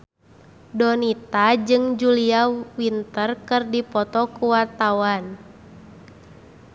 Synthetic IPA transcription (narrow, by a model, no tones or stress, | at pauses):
dɔnit̪ad͡ʒɨŋd͡ʒuliawint̪ərkɨrdipɔt̪ɔkuwart̪awan